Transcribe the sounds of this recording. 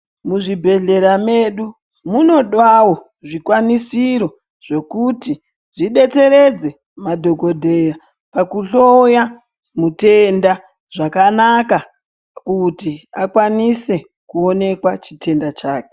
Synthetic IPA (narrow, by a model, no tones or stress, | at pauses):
muʐibʱe̞ɮe̞ɾame̞ɗu | muno̞ɗwawo̞ | ʐikwanisiɾo̞ | ʐ̥e̞kuti | ʐiɗe̞t͡se̞ɾe̞d͡ze̞ | madʱo̞ɡo̞dʱe̞ja | pakuɬo̞ja | mute̞nda | ʐakanaka | kutiakwanise̞ | kuo̞ne̞kwat͡ʃitʰe̞ndat͡ʃaːke̥